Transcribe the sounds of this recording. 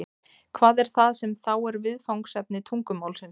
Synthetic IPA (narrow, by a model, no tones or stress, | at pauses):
kʰvaːðɛɾ̥θaðsɛmθawɛɾvɪðfawŋksɛp̚nɪt̪ʰuŋkʏmaːwlsɪns